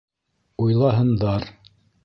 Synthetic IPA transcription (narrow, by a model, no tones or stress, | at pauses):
ujlˠɑɦɤ̆nd̪ɑɾ